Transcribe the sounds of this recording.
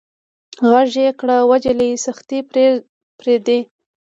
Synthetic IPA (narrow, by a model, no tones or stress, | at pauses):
ɣaʒekɽawad͡ʒalaisaxt̪i | pɾed̪e